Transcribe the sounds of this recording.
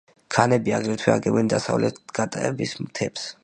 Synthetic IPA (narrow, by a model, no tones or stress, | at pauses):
kʰanɛbiaɡɾɛt̪ʰwɛaɡɛbɛnd̪asavlɛt̪ɡ̥at̪ʼɛbismt̪ʰɛps